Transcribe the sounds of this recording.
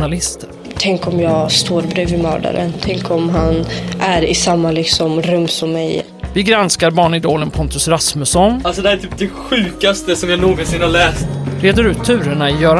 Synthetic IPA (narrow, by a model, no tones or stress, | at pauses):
nalɪst̪ə | t̪ʰɛŋkɔmjɑːɡst̪oːɾbɾʉːvɪmœ̰ːɖa̰ɾʔə̰nt̪ʰɛŋkʰɔmɦanʔæɾɪsamːalɪksɔmɾɵmːsɔmːɛj | vɪɡɾanskaɾbɑːɳɪd̪oːlənpʰɔnt̪ɵsɾasməsɔnalsɔd̪ɛhæt̪ʰyːp̚d̪ɛɧʉ̟ːkast̪əsɔmjaːnoːɡɔnsɪnhalɛːst̪ɾeːd̪əɾʉ̟ːt̪ʰːʉ̟ːɾəɳaɪjœːɾ